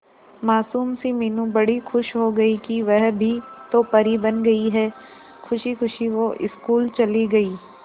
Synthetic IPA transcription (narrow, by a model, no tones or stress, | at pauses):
maːsuːmsimeːnũbɐɽ̤ixʰʊʃɦoɡɐikiʋɛɦbʱit̪opɐɾibɐnɡɐiɦɛː | kʰʊʃixʊʃiʋoʔɪskuːlt͡ʃɐliɡɐiː